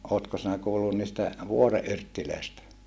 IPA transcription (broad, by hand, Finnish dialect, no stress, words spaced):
oːtko sinæ kuːlːun niːstæ ʋuore ʔyrtːiløˑistæ